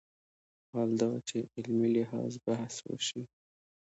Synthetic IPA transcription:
hɑld̪ɑt͡ʃeʔɪlmilɪɦɑ̰zbahswo̰ʃi

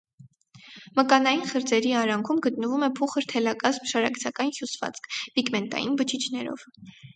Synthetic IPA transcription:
məkɑnɑjinχəɾd͡zɛɾiɑɾɑŋkʰumɡət̪̚nəvumɛpʰuχəɾt̪ʰɛlɑkɑzmʃɑɾɑkt͡sʰɑkɑnhjusvɑ̰t͡skʰpikmɛnt̪ɑ̰jinbət͡ʃʰit͡ʃʰnɛɾɔ̰v̥

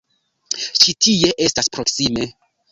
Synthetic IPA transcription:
ʃitie̞ʔe̞staspɾo̞ksime̞

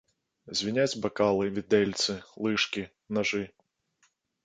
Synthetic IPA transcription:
zʲvʲinʲat͡sʲbɐkalˠɨvʲid̪ɛlʲt̪sɨlˠɨʂkʲi | naʐɨ

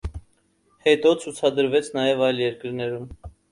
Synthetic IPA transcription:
hɛt̪ɔt͡sʰut͡sʰɑd̪əɾvɛt͡sʰn̪ɑjɛvɑjljɛɾkəɾnɛɾum

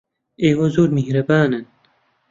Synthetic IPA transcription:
eːwɐzoːɾmehɾɐbaːnɨn

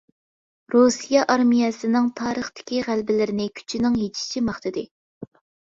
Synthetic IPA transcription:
ɾusijɑʔɑɾmijɛsɨnɪŋt̪ʰɑːɾəχt̪ɪ̥kʲiʁælbɪlɪɾɪnɪkʲʰy̥t͡ʃʰinɪŋɦet͡ʃʰi̥t͡ʃʰimɑχt̪ʰɨd̪ɪ

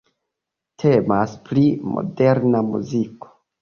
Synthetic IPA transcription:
tʰe̞maspɾimo̞̰de̞ɾnamṵziko̥

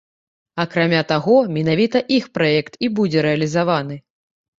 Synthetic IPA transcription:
akɾamʲat̪aɣɔmʲɛnavʲit̪ɐʔixpɾajɛkt̪ibud͡zʲɛɾɛɐlʲizavan̪ɨ

